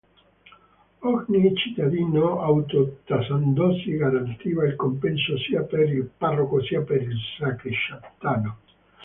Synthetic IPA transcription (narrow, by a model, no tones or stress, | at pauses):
oɣnit͡ʃit̪aðinoawt̪ot̪asand̪osiɣaɾant̪iβailkompensosiapeɾilparokosiapeɾilsakiʃapt̪ano